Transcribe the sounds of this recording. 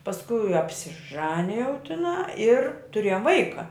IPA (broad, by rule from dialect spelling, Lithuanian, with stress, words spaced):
pɐsˈkʊɪ ɐpʲsʲɪˈʒɑːnʲɪjɛʊ tʲɪˈnɑː ɪr tʊˈrʲeːjoːm ˈʋɐɪkɐ